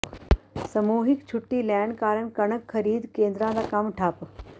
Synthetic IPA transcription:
sɐmuːɦɪkt͡ɕʰʊʈːilɛːɳɖkaːɾəɳkɐɳəkʰxɐɾiːd̪kẽːnd̪ɾãd̪akɐmʈʰaːp

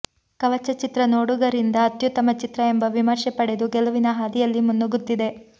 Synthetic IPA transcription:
kɐʋɐt͡ʃːɐt͡ʃit̪ɾɐnoːɽuɡɐɾind̪ɐːt̪jut̪ːɐmɐt͡ʃit̪ɾɐembɐʋimɐɾʂɛpɐɽed̪uɡɛlɐʋinɐɦaːd̪ijɐlːimunːoɡut̪ːid̪e̞

